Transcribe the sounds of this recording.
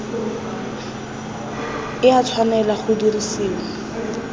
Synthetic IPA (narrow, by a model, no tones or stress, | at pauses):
ɪat͡sʰwanɛlaχʊdirisiːŋ̩